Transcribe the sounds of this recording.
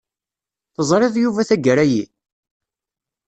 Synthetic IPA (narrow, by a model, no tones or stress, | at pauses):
θəzˤɾˤɪðˤjuvæθæɡəɾæji